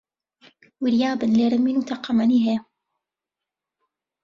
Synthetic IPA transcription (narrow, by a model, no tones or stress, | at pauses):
wɪɾijaːbɨnleɾɨminuːt̪ʰaqɑmɐniːɦe